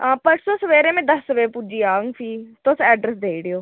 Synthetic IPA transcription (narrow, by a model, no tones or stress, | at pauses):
ɦãːpɐʈʰsosɐʋeːɾẽmẽd̪ɐsʋepud͡ʒiaːŋɡfʰiːt̪oːsɛːɖɾes̬d̪ʱeiɽijoː